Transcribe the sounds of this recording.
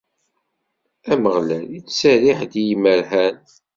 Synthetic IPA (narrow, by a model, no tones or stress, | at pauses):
æməʁlælit͡sːsæɾiħd̪ijiməɾhæn